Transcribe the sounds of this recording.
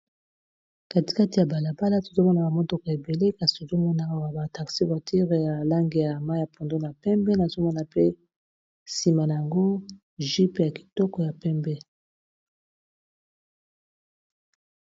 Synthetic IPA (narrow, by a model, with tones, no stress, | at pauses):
ka˨ti̥˨ka˦ti˨ja˨ba˨la˨ba˦la˦to̥˨zo˦mɔ˦na˨ba˨mɔ˦tɔ˨kɔ˨e˨be˨le˦ka˨si̥˨o˨zo˦mɔ˦na˦a˦wa˨ba˨ta˨ʁsi˦ba˨tʰi˦ʁe˨ja˨la˦ŋɡe˨ja˨ma˦ja˨pʰo˨ndo˦na˨pɛ˦mbɛ˦na˨zo˦mɔ˦na˨pe˦ | si˨ma˨na˨ja˨ŋɡo˦ | ʒi˦pe˦˨ja˨ki̥˨tɔ˦kɔ˨ja˨pɛ˦mbɛ˦